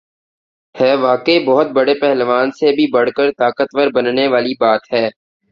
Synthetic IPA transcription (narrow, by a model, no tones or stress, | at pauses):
hɛːʋaːkeibɔɦʊt̪̚bɐɽepɛɦlʋaːnsebʱibɐɽ̤kəɾt̪aːkət̪ʋəɾbənneʋaːlibaːt̪ɦɛː